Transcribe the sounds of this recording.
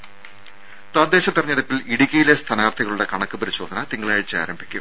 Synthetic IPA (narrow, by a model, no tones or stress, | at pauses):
t̪wɐd̪ːeːɕɐt̪ːirɐɲːɐðɐpːiliɽikʲːɐjilest̪ʰɐnaːrt̪ʰiɣɐɭuɽekɐɳɐkːɨpɐɾiɕo̞ːd̪ɐnɐt̪iŋːɐɭaːɻit͡ɕːɨa̰ːɾɐmbʱikʲːṵm